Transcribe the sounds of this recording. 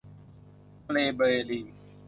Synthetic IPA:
leːɓəeːliː

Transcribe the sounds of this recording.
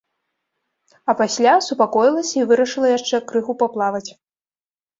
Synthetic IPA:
ɐpasʲlʲasupakɔjilˠɐsʲɐivɨɾɐʂɨlˠɐjaʂt͡ʂɛkɾɨxupaplˠavɐt͡sʲ

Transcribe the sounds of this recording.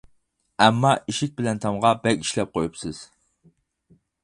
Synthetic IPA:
ɛmːɑʔiʃik̚ʲbɪlɛnt̪ʰɑmʁɑbɛkʲi̥ʃlɛp̚qʰojupsɨz̥

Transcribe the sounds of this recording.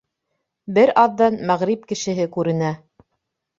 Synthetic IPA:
bɘɾɑðːɑnmæʁɾip̚kɘ̆ʃɘ̆ɦɘkʉɾɘ̆næ

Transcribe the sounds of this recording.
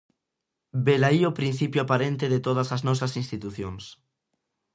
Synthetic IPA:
belaiopɾin̟θipjoapaɾent̪eðet̪oð̞ɐsaznɔsɐsinst̪it̪uθjoŋs

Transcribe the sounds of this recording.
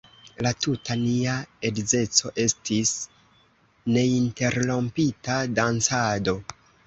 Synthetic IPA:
latutʰaniae̞dze̞t͡so̞ʔe̞stis | ne̞inte̞ɾlo̞mpitadant͡sado̞

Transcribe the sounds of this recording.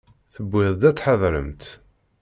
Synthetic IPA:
θəbːɪðˤd̪æt͡sːħəðˤɾə̰mt̪

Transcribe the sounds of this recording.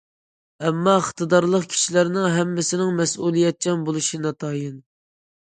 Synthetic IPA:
ɛmːɑəχt̪ɨd̪ɑɾlˠəqkʲʰi̥ʃilæɾnɪŋɦɛmːɪsɪnɪŋmɛsulˠijɛt̪̚t͡ʃʰɛnbolˠuʃinɑt̪ʰɑjɨn

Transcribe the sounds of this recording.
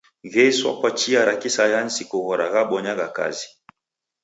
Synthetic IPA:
ɣɛswa̰kwat͡ʃiaɾakisajansikoɣɔɾʔa̰ɣabɔɲaɣaka̰zi̥

